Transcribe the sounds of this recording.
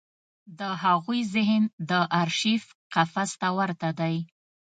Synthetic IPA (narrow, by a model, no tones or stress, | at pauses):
d̪əhaɣujzɪɦnd̪əʔaɾʃifqafast̪awaɾt̪ad̪aj